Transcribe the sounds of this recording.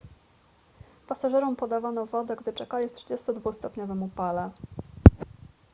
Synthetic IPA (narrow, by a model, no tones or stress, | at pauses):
pasaʐɛɾɔmpɔd̪avanɔvɔd̪ɛɡd̪ɘt͡ʂɛkalʲift̪ʂɘd͡ʑɛst̪ɔd̪vust̪ɔpɲɔvɛmupalɛ